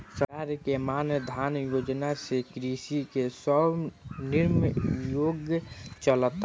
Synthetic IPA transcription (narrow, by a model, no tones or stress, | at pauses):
səaɾkemanəd̪ʱanjod͡ʒnasekɾisikesəbniɾmjoɡjət͡ʃələt̪